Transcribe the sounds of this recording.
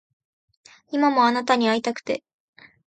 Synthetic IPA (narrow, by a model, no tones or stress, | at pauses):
imamo̞anat̪aɲ̟iait̪akɯ̥t̪e̞